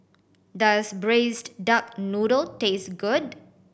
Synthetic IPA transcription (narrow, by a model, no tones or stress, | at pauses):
dasbɹesddak̚nuɾəltesɡʊd̚